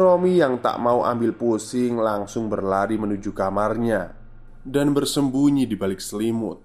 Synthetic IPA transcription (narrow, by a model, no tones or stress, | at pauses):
ɾomijaŋt̪a̰ʔmauʔa̰mbɪlpusɪŋlaŋsʊŋbərlaɾimənud͡ʒukamarɲa | danbərsəmbuɲidibalɪk̚səlimʊ̰t̪̚